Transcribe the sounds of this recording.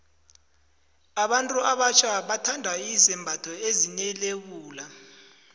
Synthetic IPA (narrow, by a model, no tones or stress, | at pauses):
aɓantʼuʔaɓat͡ʃʰaɓatʰandʱaisɛmbʱatʰɔeziɲɛlek̬uːla